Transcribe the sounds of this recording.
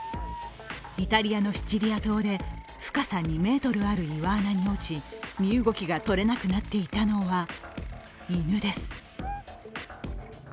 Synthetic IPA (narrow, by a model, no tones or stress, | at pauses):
it̪aɾʲiano̞ɕi̥t͡ɕiɾʲiat̪o̞ːd̪e̞ | ɸɯ̟̥kasaɲ̟ːime̞ːt̪o̞ɾɯ̟aɾɯ̟iβaːnaɲ̟io̞t͡ɕimʲiɯ̟ɡo̞kʲiɡat̪o̞ɾe̞nakɯ̟nat̪ːe̞it̪ano̞βa | inɯ̟d̪e̞sɨ̥